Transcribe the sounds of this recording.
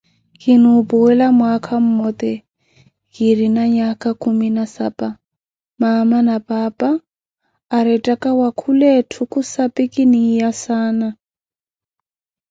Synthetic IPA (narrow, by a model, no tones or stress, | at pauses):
kʼinupɔwɛlamwakʰam̩mɔt̪ʼɛ | ɣiɾinaɲakʼakʰʼuminasapʼa | mamanapʼaːpʼaː | ɾɛtʼakʼawakʰulɛtʰukʼusapʼikʼinijasaːna